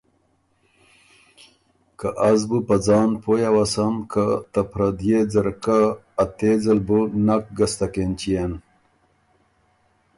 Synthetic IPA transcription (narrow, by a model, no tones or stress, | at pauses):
kaʔazbupɐd͡zɑːnpojawasamkat̪ɐpɾɐd̪jed͡zɐɾkaː | t̪ed͡zɐlbunak̚ɡɐst̪akent͡ɕijen